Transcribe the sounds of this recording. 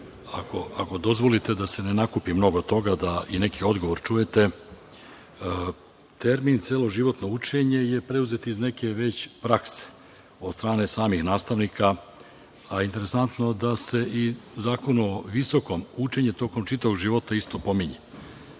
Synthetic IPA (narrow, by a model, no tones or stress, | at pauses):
akoako̞d̪o̞zʋo̞lit̪e̞d̪ase̞nenakupimno̞ɡot̪o̞ɡad̪aine̞kʰio̞d̪ɡoʋo̞ɾt͡ʃuje̞t̪e̞ | t̪e̞ɾmint̪sieːlˠo̞ʒiʋo̞t̪no̞ut͡ʃe̞ɲe̞je̞pɾe̞uze̞t̪iizne̞ke̞ʋe̞t͡ɕpɾakse̥ | o̞d̪st̪ɾaːne̞saːmixnaːst̪aʋnikʰa | aint̪e̞ɾe̞sant̪no̞d̪ase̞izaːko̞nuoʋiso̞ko̞mut͡ʃe̞ɲe̞t̪o̞ko̞mt͡ʃit̪aʋoɡʒiʋo̞t̪aist̪o̞po̞miɲe